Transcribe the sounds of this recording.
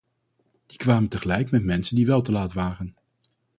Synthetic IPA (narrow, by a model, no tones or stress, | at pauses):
d̥ikʋaːməntəχəlɛjkmɛtmɛnsəndiʋɛlˠtəlaːtʋaːrən